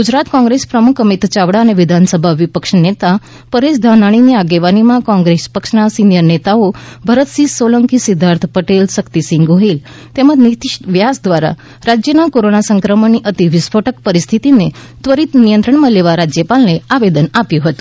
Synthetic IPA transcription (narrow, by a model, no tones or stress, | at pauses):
ɡud͡ʑɾat̪kɔ̃ŋɡɾespɾəmukʰəmit̪t͡ɕaʋɽaəneʋid̪ʱansəbʱaʋipəkʂnet̪a | pəɾesd̪ʱanaɽ̃iniaɡeʋanimãkɔ̃ŋɡɾespəkʂnasinjəɾnet̪aobʱəɾət̪sisoləŋkisid̪ʱːaɾt̪ʰəpəʈelʃəkt̪isĩŋɡoɦil | t̪eməd͡ʑnit̪iʃʈʋjasd̪ʋaɾa̰ | ɾad͡ʑjənakoɾonasəŋkɾəməniʔət̪iʋisfʰoʈʰəkpəɾist̪ʰit̪ine | t̪ʋəɾit̪nijə̃nt̪ɾəɳmãleʋaɾad͡ʑjəpalneaʋed̪ənapjũɦət̪ũ̥